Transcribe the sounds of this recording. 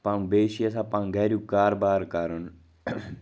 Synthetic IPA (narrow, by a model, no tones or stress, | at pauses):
pãːŋbeːʃiəsãːpãːŋɡʱɛːɾjuːkaːɾbaːɾkaɾən